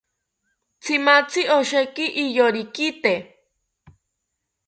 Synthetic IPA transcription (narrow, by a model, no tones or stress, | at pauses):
t͡sʰimat͡sʰioʃekiʔːjoɾikit̪e